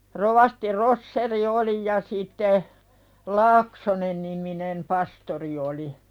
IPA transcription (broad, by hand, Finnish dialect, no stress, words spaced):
roʋɑsti rosːeri oli jɑ siˑtːe lɑːksonenːiminem pɑstori oli